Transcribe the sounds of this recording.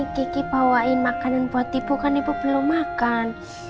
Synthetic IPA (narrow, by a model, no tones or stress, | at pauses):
kikib̥awaʔimakananbuat̪ːib̥ukanipub̥əluŋmakan